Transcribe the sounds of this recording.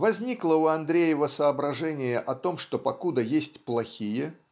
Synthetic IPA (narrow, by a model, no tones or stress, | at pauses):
vɐzʲnʲiklˠəuɐnd̪ɾʲejəvəsəːbɾɐʐɛnʲɪjəʔɐt̪o̞mʂt̪opɐkud̪əjesʲtʲplˠɐxʲijə